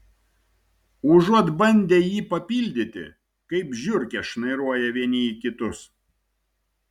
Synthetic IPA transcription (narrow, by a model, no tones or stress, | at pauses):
ʊʒuɔt̪bɐnʲd̪ʲeːjiːpɐpʲilʲd̪ʲɪt̪ʲɪ̰ | kɐɪpʒʲʊɾʲkʲɛʃnɐɪɾuɔjɛʋʲiɛnʲɪikʲɪt̪ʊs